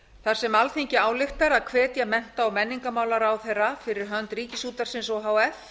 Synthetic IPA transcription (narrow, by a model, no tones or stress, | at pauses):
θaɾ̥sɛmalθiɲcɪaːwlɪxt̪aɾaðkʰvɛːt̪jamɛn̥t̪aɔwmɛnːiŋkamaːwlaɾawθɛrːafɪɾɪɾ̥ɦœnt̪riːcɪsuːt̪aɾ̥sɪnsɔɦaːwɛf